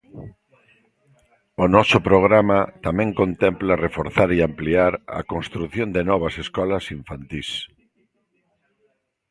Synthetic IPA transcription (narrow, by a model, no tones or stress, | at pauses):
ʊnɔsʊpɾoɣ̞ɾamat̪amɛ̃ŋkont̪ɛmplarefoɾθaɾiampliaɾɐ̰konst̪ɾuθjõnd̪ɪnɔβ̞ɐseskɔlɐsiɱfant̪is